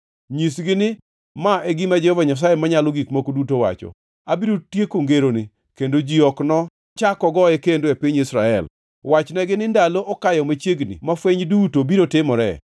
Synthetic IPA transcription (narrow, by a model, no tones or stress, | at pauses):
ɲisɡɪnɪ | maeɡɪmad͡ʒɛhɔvaɲas̬ajemaɲaloɡikmokodutowa̰t͡ʃɔ̰ | abiɾotjekoŋɡeɾonɪ | kendod͡ʒiɔknɔ | t͡ʃakɔɡɔɛkendoepiɲisɾaɛ̰l | wat͡ʃnɛɡɪnɪndaloʔɔkajɔmat͡ʃjeɡnɪ̰mafweɲdutobiɾotɪmɔɾɛ̰